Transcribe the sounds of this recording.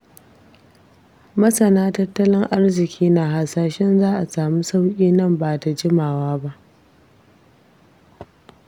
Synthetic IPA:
mɐ˦sɐ˨naː˦tɐ˦tːɐ˦lɪ˦ŋʔa˦rzɪ˨kʲʰiː˦na˨ɦa˨saː˨ʃɛ˦nzaː˦ʔa˨saː˨mu˦sa˦wkʲʼiː˦nɐ˦˨mbaː˨ta˨d͡ʒɪ˦maː˨waː˦ba˦ʔ

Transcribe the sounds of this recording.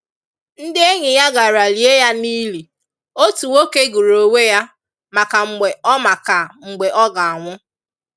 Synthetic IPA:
n̩˦dɪ˦e˦ɲɪ˨ja˦ɡa˨ɾa˨li˨e˦ja˦ni˦li˨ | o˦tu˨wo˦ke˦ɡu˨ɾo˨we˦ja˦ | ma˨ka˨ŋ͡m̩˨ɡ͡be˨ɔ˦ma˨ka˨ŋ͡m̩˨ɡ͡be˨ʔɔ˦ɡa˨a˨ŋʷʊ˦

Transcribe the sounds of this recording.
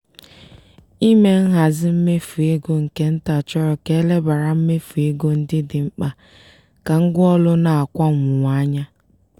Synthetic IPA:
i˦me˦ŋ̩˦ɦa˨zɪ˦m̩˦me˦fu˨e˦ɡo˦ŋ̩˨ke˦n̩˦ta˨t͡ʃɔ˦ɾɔ˨ke˦le˦ba˨ɾa˨m̩˦me˦fu˨e˦ɡo˦n̩˦dɪ˦dɪ˨ŋ͡m̩˦k͡pa˦ | ka˨ŋ̩˦ɡʊ˦ɔ˦lʊ˦na˨a˨kʷa˦ŋʊ˨ŋʷ˨a˦ɲa˦

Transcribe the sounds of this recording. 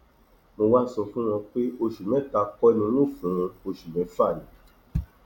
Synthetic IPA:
mo˧wa˦sɔ˦˨fũ˦w̃ɔ̃˧k͡pe˦o˧ʃu˨mɛ̃˨˦ta˧˦kɔ˦˧nĩ˧˦nũ˦˨fũ˨˦˧o˧ʃu˨mɛ̃˨˦fa˦˨nĩ˨˦

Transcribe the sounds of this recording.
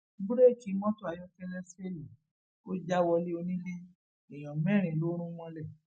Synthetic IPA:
bu˦ɾe˦˨ki˨˦mɔ̃˦to˦a˨jɔ˧˦fɛ˦lɛ˦se˦li˨ | o˦d͡ʒa˦wɔ˧le˦o˧nĩ˦li˦ | i˨j̃ɔ̃˨mɛ̃˦˨ɾ̃ĩ˨lo˨˦ɾ̃ũ˦w̃ɔ̃˧lɛ˦˨

